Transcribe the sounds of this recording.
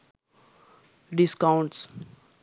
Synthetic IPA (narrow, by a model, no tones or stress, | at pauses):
ɖiskãʊ̃ɳʈs